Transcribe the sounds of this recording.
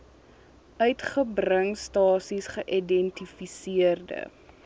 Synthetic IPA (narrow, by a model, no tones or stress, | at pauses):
ʔœɥtχəbrəŋstɑːsisχəʔidɛntifisiərdə̰